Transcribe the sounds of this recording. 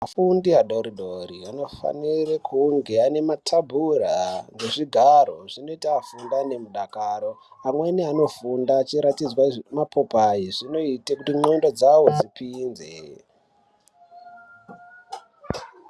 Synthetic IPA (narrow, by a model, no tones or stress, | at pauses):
mafundiɦaɗoɾiɗoɾiano̞fa̰nirekuŋɡe̞ane̞matʰabʱuraŋɡe̞ʐiɡʱaɾo̞ʐino̞itaːfundane̞muɗakaːɾo̞ | amweniano̞fundat͡ʃiɾatid͡zwamapʰo̞paiʐino̞itekutiŋ͡ǀendo̞d͡zawo̞d͡zipiːnzḛ